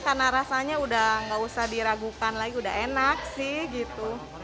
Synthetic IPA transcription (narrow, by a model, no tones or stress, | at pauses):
karnaɾasaɲaudahŋɡausahdiɾaɡukanlaɡiuda̰ɦenak̚sɪhɡit̪u